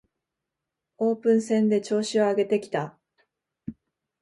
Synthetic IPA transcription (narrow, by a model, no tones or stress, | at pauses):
o̞ːpɯ̟̃ɰ̃sẽ̞nd̪e̞t͡ɕo̞ːɕio̞aɡe̞t̪e̞kʲi̥t̪a